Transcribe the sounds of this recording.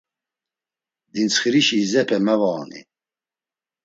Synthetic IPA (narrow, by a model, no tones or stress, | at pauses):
d̪int͡sχiɾiʃiːzɛpʰɛmɛvaːnḭ